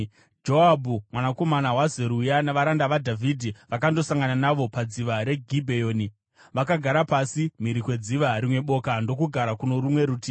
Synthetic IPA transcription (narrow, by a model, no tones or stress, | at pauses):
d͡ʒoabʱumwanako̞manawazeɾujanaʋaɾandaʋadʱavʱidʱiʋakando̞saŋɡananaʋo̞pad͡ziʋaɾe̞ɡʱibʱejoːni | ʋakaɡʱaɾapasimiɾikwe̞d͡ziʋaɾimwe̞ɓo̞kando̞kuɡʱaɾakuno̞ɾumwe̞ɾutiː